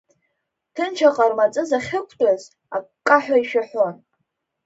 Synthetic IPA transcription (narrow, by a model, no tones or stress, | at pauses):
tʰɨnt͡ʃʰaqʼarmat͡sʼɨzaχʲɪkʷʰtʼaz | a̰kkʼːaħᶣaiʃᶣaħʷon